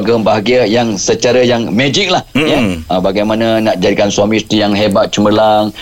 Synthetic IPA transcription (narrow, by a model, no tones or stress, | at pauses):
ɡəmbaɦaɡiəjaŋsət͡ʃaɾajaŋmɛd͡ʒik̚lahjaəbaɡajmanãnaʔ̚d͡ʒadikansuamĩst̪ijaŋɦebat̪̚t͡ʃəməlaŋ